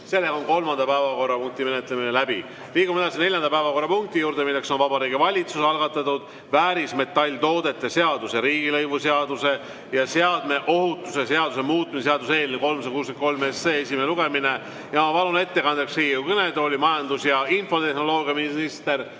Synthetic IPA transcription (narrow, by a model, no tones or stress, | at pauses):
se̞lːeɡɑonko̞lmɑnd̪ɑpæevɑko̞rːɑpuŋk̚t̪ime̞net̪ˑle̞minelæbḭ | liːɡumed̪ɑsine̞ljɑnd̪ɑpæevɑko̞rːɑpuŋk̚t̪ijuːɾd̪̥e̞milːe̞ksonvɑbɑɾiːɡ̥ivɑlʲit̪suseɑlɡ̥ɑt̪ːˑɑt̪ːud̪̥ | væːɾisme̞t̪ːˑɑlʲːt̪o̞ːd̪e̞t̪ːˑese̞ɑd̪use̞ɾiːɡ̥ilɤjvuseɑd̪use̞ | jɑseɑd̪me̞ʔo̞ɦut̪ːˑuse̞se̞ɑd̪̥use̞muːt̪ːˑmisseɑd̪use̞ːlneko̞lms̬ɑkuːsent̪kolmesːeːesimeeluɡe̞mine̞ | jɑmɑpɑlune̞t̪ːe̞kɑnd̪eksriːjukɤne̞d̪o̞ːlʲimɑjɑnd̪̥usjɑinfo̞t̪e̞hno̞lo̞ːɡ̥ijɑminnist̪e̞r